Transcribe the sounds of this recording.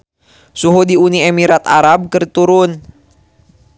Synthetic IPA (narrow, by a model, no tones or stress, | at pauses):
suɦudiuniɛmiɾat̪a̰ɾab̚kɨrt̪uɾʊn